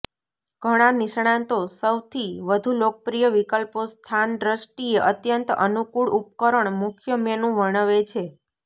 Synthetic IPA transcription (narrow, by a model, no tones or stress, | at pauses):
ɡ̥ʱəɽ̃anɪʃɳ̃ãnt̪osəwt̪ʰiʋəd̪ʱulok̚pɾijəʋikəlpost̪ʰanɖɾəsʈieʔət̪jənt̪ə̰nukuɭʔup̚kəɾəɳmʊkʰjəmenũʋəɳ̃əʋet͡ʃʰe